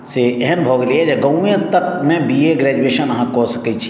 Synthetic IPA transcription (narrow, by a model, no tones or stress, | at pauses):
seɛɦɛmbʱoːɡliɛd͡ʒeɡɐujẽt̪ɐk̚mẽbieɡɾɛːd͡ʒueːʃənɐɦãkoːsɐket͡ʃʰi̥